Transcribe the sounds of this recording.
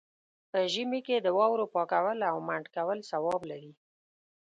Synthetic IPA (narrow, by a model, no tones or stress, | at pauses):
pəʒəmiked̪əwɑwɾopɑkawəlawmaɳɖkawəlsawɑblaɾi